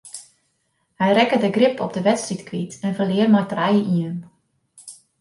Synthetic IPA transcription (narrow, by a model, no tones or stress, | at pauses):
hɛjrɛkədəɡrɪpʰɔ̰b̚dəʋɛtstritkʋitɛnvəlɪərmajtrajəʔiən